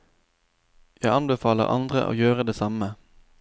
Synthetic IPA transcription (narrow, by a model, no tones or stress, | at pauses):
jæɪɑnbəfɑːləʁɑ̰nd̪ʁə̰ʔo̰ːjøːʁəd̪eːsɑmə